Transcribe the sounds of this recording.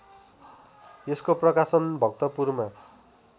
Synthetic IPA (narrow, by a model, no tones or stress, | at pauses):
eskoprʌkasʌnbʱʌkt̪ʌpurma